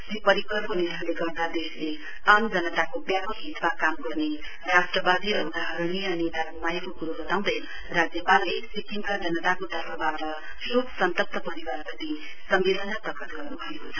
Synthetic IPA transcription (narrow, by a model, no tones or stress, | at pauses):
ssipʌɾikʌɾkoniɾaleɡʌrd̪ad̪esle | ʌnd͡zʌnʌt̪akobjapʌkɦit̪ʰbakamɡʌrne | ɾasʈrʌbad̪iʌbd̪aɦʌɾniʌnid̪akumajakokuɾubʌt̪aw̃d̪ʌjnʌ | rad͡zjʌpalːesikiŋkad͡zʌnʌt̪akod̪ʱʌbʰabaʈʌ | jobsʌnt̪ʌp̚t̪ʌpʌɾiwarpʌt̪i | sʌmbed̪ʌnat̪ʌkʌt̪ɡʌrnubʱʌekot͡sʰʌn